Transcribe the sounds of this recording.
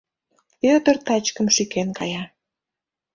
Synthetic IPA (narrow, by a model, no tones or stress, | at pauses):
pød̪ərt̪ɑt͡ɕkəmʃykenkɑjɑ